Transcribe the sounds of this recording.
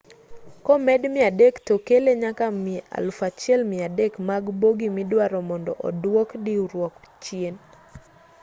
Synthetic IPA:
kɔmɛdmɪadektokeleɲakamɪa̰lfat͡ʃjɛlmɪadekmaɡboɡimɪdwaɾɔmɔndɔ̰ʔɔ̰dwɔkdiuɾwɔkt͡ʃien

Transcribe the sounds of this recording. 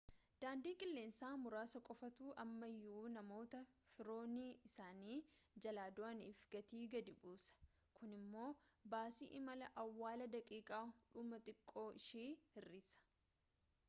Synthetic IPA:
d̪̥aːnd̪iːkʼɪlːe̞ːnsaːmʊɾaːsɐkʼɔfɐt̪uːʔɐmːɐjːuːnɐmo̞ːt̪ɐfɪɾo̞ːniːɪsaːniːd͡ʒɐlaːd̪ʊʔɐniːfɡɐt̪iːɡɐd̪ɪbuːsɐ̥ | kʊnɪmːo̞ːbaːsḭːʔɪmɐlɐʔɐwːaːlɐd̪ɐkʼiːkʼaːᶑʊmɐt̪ʼɪkʼːo̞ːʔɪʃiːhɪrːiːsɐ̥

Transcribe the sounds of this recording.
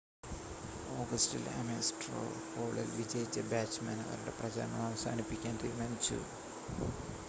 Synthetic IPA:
oːɡɐstilɐ̰mesʈro̰koːɭɐlʋid͡ʑeːjt͡ɕːɐbaːt͡ɕːmɐːnɐ̰ʋɐ̰ɾuɽeprɐd͡ʑa̰ːɾɐnɐmɐʋɐsaːnipːikʲːaːndimɐnt͡ɕṵ

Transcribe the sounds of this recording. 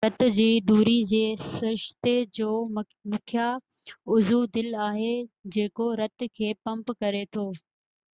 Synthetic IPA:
ɐt̪ʊ̆d͡ʑiːd̪uːɾid͡ʑeːsɐɾɪʃt̪ed͡ʑoː | mʊkʰja | ʊzud̪ɪlaːɦed͡ʑeːkoɾɐt̪kʰeːpɐ̃mpkɐɾet̪ʰoː

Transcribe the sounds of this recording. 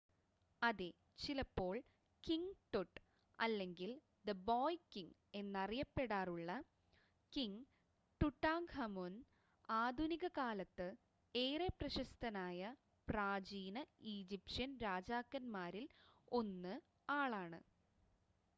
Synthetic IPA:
ɐðe | t͡ɕilɐpːo̞ːɭ | kiŋʈoʈː | ɐlːe̞ŋɡil | d̪ɐboːjkiŋe̞nːɐrijɐpːe̞ɽaːruɭːɐ | kiŋ | ʈuʈːaːŋhɐmoːn | aːd̪ʱuniɣɐkaːlɐt̪ːɨ | eːreprɐɕɐst̪ʰɐnaːjɐ | praːd͡ʑiːnɐiːd͡ʑipʂɐnɾaːd͡ʑaːkːɐnmaːɾilo̞nːɨ | aːɭaːɳɨ̰

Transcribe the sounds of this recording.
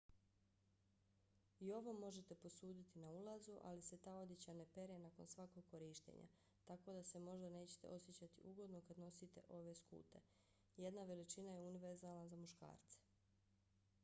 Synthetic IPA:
io̞ʋo̞mo̞ʒe̞t̪e̞po̞suːd̪it̪inaulazuʔa̰lise̞t̪aːo̞d̪jet͡ɕane̞pe̞ɾjenako̞nsʋako̞ɡ̚kːo̞ɾiʃt̪ḛɲa̰ | t̪ako̞d̪ase̞mo̞ʒd̪ane̞ːt͡ɕe̥t̪e̞̰o̞sjet͡ɕat̪ḭʔuɡo̞d̪no̞kad̪no̞sit̪e̞̰ʔo̞ʋe̞skṵːt̪e̞̰ | je̞d̪naʋe̞lit͡ʃinajeuniʋe̞ɾzalˠnazamuʃka̰ːɾt̪se̥

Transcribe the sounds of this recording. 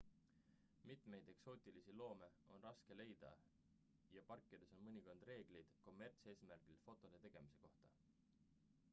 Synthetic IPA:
mit̪me̞jd̪̥e̞kso̞ːt̪ʲˑilisilo̞ːme̞o̞nrɑske̞le̞jd̪̥ɑ̰ | jɑpɑrkːˑid̪̥e̞so̞nmɤnʲiko̞nd̪̥re̞ːɡ̥lijd̪̥ko̞mːe̞rt̪se̞ːsmærɡ̥ilfo̞t̪ːˑo̞d̪e̞t̪e̞ɡ̥e̞mise̞̥ko̞ht̪ɑ

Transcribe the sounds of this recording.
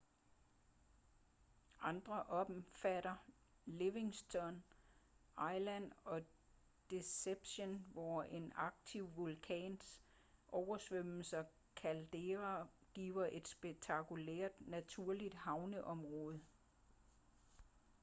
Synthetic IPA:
ʔɑ̈nd̥ʁɐʔɒ̥̽mfæɾɐ | le̝ʋe̝ŋsd̥ɒn | ʔɑ̈ɪlænɒ̽ | d̥e̝seb̥ɕonʋɒe̝nɑ̈ɡ̥̚t͡sʰiʊʋolkʰɛ̰ːns | ʔɒʊɐsʋøm̰l̩sɐ | kʰæld̥e̝ʁaɡ̥ḭːʊɐʔe̝d̥sb̥eɡ̥̚t͡sʰɑ̈kʰulḛɐ̰d̥næt͡sʰuɐ̰lid̥hɑ̈ʊnəʔɒ̽mʁɔ̽ːð̞̩ˠ

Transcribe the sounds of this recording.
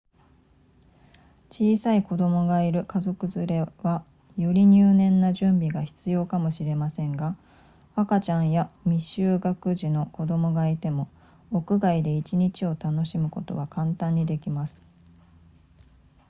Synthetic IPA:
t͡ɕiːsaiko̞d̪o̞mo̞ɡaiɾɯ̟kazo̞kɯ̟zɨɾe̞βa | joɾʲiɲ̟ɨːnẽ̞nːaʑɨ̃mbʲiɡaçi̥t͡sɨjo̞ːkamo̞ɕiɾe̞masẽ̞ŋɡa | akat͡ɕãɰ̃jamʲiɕɨːɡakɯ̟ʑino̞ko̞d̪o̞mo̞ɡait̪e̞mo̞ː | kɯ̟ɡaid̪e̞it͡ɕiɲ̟it͡ɕio̞t̪ano̞ɕimɯ̟ko̞t̪o̞̰βakãnt̪ãɲ̟ːid̪e̞kʲimasɨ̥

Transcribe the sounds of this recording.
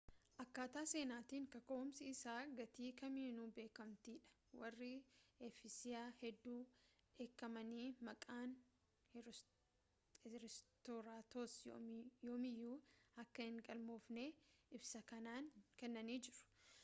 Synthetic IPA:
ʔɐkːaːt̪aːse̞ːnaːt̪iːŋkɐkoʊmsɪɪsaːɡɐt̪iːkɐmiːnuːbe̞ːkɐmt̪iːᶑɐ̥ | wɐrːɪefɪsɪjaːhɛd̪ːuːᶑeːkːɐmɐniːmɐkʼaːn | ɾɛst̪oɾaːt̪osjjoːmɪjːuːɐkːɐhɪŋɡʼɐlmo̞ːfneːɪbsɐkɐnaːnkɛnːɐniːd͡ʒɪɾʊ̥

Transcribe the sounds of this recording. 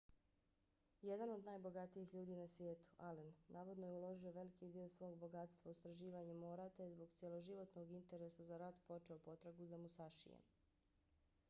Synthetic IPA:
jed̪ano̞d̪naːjbo̞ɡat̪ijixʎuːd̪inasʋʲjeːt̪u̥ʔalenːʔaːʋo̞d̪nojeulo̞ʒio̞ʋe̞likid̪iːo̞sʋo̞ːɡbo̞ɡat̪st̪ʋaust̪ɾaʒiːʋaɲamoːɾat̪eezbo̞ɡt̪sijelˠo̞ʒiʋo̞t̪no̞ɡint̪e̞ɾesazaɾat̪po̞t͡ʃe̞opo̞t̪ɾaɡuzamusaʃḭjḛ

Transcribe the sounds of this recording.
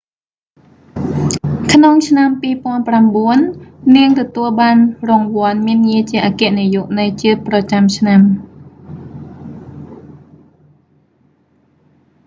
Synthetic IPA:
kʰnoŋt͡ɕʰnampiːpŏənpramɓuənːiəŋt̪ɔt̪uəlɓaːnrɔŋʋŏənmiənŋiət͡ɕiəʔaːkɛ̆əʔnijuʔnɨjt͡ɕiət̪̚prɑt͡ɕamt͡ɕʰnam

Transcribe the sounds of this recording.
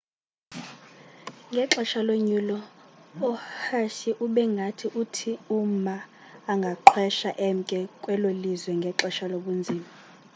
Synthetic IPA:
ŋɡʱɛǁɔʃaloɲulɔː | haʃiʔuɓɛŋɡʱatʰiʔutʰiumaː | ŋɡʱaǃʰwɛʃaʔɛm̩kʼɛkʼwɛlolizwɛŋɡʱɛǁɔʃaloɓund͡zʱiːma

